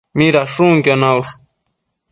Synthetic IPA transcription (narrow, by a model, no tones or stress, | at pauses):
miɾaʂuŋkanawʂ